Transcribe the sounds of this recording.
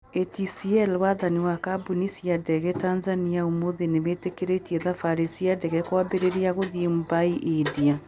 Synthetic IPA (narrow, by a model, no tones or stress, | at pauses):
etisiɛlwaðaniwakabunisiadɛɣɛtanzaniaomoðeneβetekeɾetiɛðafaɾisiadɛɣɛkwabeɾeɾiaɣoðiemubaiʔedia